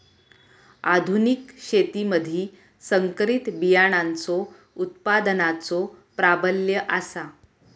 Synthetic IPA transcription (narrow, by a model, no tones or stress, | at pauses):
ad̪ʱunikɕet̪iməd̪ʱiː | səŋkɾit̪bijaɽ̃ant͡so | ut̪̚pad̪ənat͡sopɾabəljəʔasa